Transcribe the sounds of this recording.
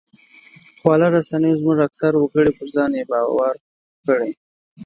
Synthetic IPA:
xwɑlaɾasanəjozmuʒaksaɾwəkəɽepəɾzɑnjebɑwaɾ | kəɽe

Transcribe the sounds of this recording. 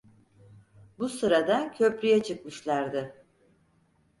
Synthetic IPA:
busɯɾad̪ancʰø̞pɾyjɛt͡ʃʰɯk̚mɯʃlˠaɾd̪ɯ

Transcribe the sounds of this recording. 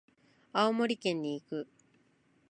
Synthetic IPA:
aomo̞ɾʲikẽ̞ɲ̟ːiːkɯ̟

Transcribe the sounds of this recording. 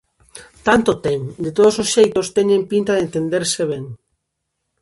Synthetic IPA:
t̪ant̪ot̪ɛŋd̪et̪oð̞ososʃejt̪ost̪ɛɲẽmpint̪aðent̪end̪eɾseβɛŋ

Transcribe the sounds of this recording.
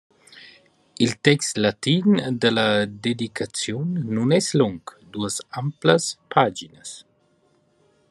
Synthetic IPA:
ilt̪ɛkst̪lat̪ind̪əlɐd̪ed̪ikʰat͡sjɔnːunɛslɔŋkd̪uəsampləspʰad͡ʒinəs

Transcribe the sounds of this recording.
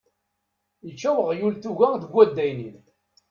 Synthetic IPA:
jət͡ʃːæwəʁjulθuʝæŋðəɡʷːæd̪ːæjnin

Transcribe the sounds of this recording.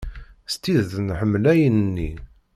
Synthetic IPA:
st̪iððənħəmːlæjənnːi

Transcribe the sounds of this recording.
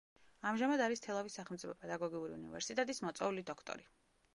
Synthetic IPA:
amʒamad̪aɾist̪ʰɛlˠavisːaχɛlˠmt̪ʼipʰɔpʼɛd̪aɡɔɡiuɾḭunḭvɛ̰ɾsit̪ʼɛt̪ʼismɔt̪sʼɛulid̪ɔkʰt̪ʼɔ̰ɾi

